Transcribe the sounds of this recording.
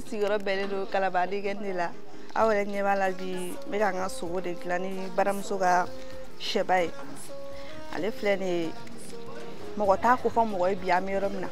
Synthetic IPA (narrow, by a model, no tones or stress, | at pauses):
siɡijɔɾɔbɛlẽdokalabadeɡɛnidela | a̰wjɛɾɛɲɛbalabi | bɛkãkasoɡodẽkilãnibaɾamusoka | ʃɛbaje | a̰lefilɛ̃ni | mɔɡɔtakofɔ̃mɔɡɔjebiãmɛjɔɾɔmĩna̰